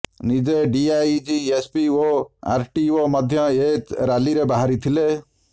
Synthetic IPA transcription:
nid͡ʒeɖiaid͡ʒiespioa̰ɾʈioməd̪ʱjɔet̪ɾaliɾebaɦaɾit̪ʰile

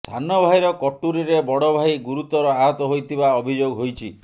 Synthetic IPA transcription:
sʰanɔbʱajɾɔkɔʈːuɾiɾebɔɽɔbʱajɡuɾut̪ɔɾɔaɦɔt̪ɔɦojt̪ʰibaɔbʱid͡ʒoɡɦojt͡ʃʰi

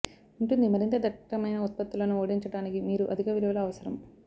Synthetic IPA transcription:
uɳʈund̪imɐɾint̪ɐd̪ʱɐʈːɐmɐjnɐut̪̚pɐt̪ːulɐnuo̞ːɽiɲt͡ʃɐɽaːnikimiːɾuʔɐd̪ʱikɐʋiliʋɐlɐːʋɐsɐɾɐm

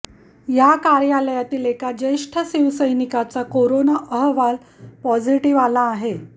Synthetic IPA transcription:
jakaɾjaləjat̪iːlekad͡ʑeʂʈʰəsiʋsəjnikat͡sakoɾonaʔəɦʋal | pɔd͡ziʈiʋalaːɦe

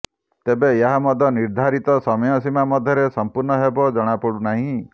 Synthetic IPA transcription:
t̪ebeeɦamɔd̪ʱjɔniɾd̪ʱaɾit̪ɔsɔmɔjɔsimamɔd̪ʱjɔɾesɔmpuɾɳɔɦebɔd͡ʒɔɽ̃apɔɽunaɦĩ

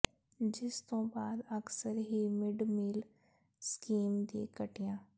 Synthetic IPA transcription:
d͡ʒɪst̪õbaːd̪ɐksəɾɦimɪɖmiːl | skiːmd̪iḛkɐʈijãː

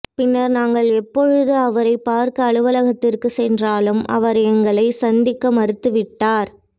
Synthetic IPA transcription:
pɪnːɐɾnaːŋɡɐɭɛpːɔɻɯðɯɐʋɐɾɐɪpːaːɾkɯɐɭɯʋɐlɐɣɐt̪ːɪrkɯsɛndraːlɯmɐ̰ʋɐɾɛŋɡɐɭɐɪsɐnd̪ɪkːɐmɐɾɯt̪ːɯʋɪʈːaːɾ

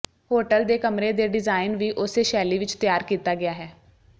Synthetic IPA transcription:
ɦoːʈəld̪eːkəmɾeːd̪eːɖɪzaːɪnʋiːʔʊseːʃɛːliːʋɪt͡ʃt̪ɪjaːɾkiːt̪aːɡɪjaːɦɛː

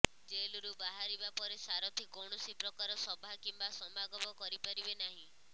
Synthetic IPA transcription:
d͡ʒeluɾubaɦaɾibapɔɾesaɾɔt̪ʰikɔɳ̃ɔsipɾɔkaɾɔsɔbʱakimbasɔmaɡɔbɔkɔɾipaɾibenaɦĩ

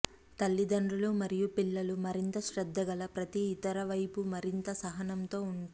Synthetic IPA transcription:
t̪ɐlːid̪ɐɳɖulumɐɾijupilːɐlumɐɾint̪ɐʃɾɛd̪ːɐɡɐlɐpɾɐt̪iːt̪ɐɾɐʋɐjpumɐɾint̪ɐsɐɦɐnɐmt̪o̞ːuɳ

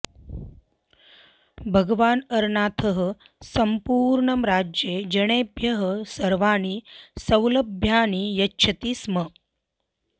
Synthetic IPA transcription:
bʱəɡʋaːnɐɾɳaːt̪ʰəɦə | səmpuːɾɳəmɾaːd͡ʒjed͡ʒɐɽ̃eːbʱjɐɦəsɐɾʋaːñiːsəwləbʱjaːnijɐtːɕʰɐt̪iːsmə

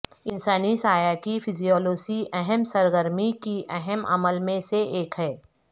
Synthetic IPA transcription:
ɪnsaːnisaːjakipʰɪzijɔːloːsiʔɛɦɛmsɐɾɡəɾmikiʔɛɦɛmɐ̰məlmẽseʔeːkɦɛː

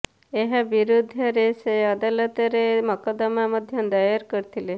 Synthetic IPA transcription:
eɦabiɾod̪ʱəɾeseəd̪alət̪ɾeməkəd̪əmaməd̪ʱjənd̪ajaɾkəɾt̪ʰile

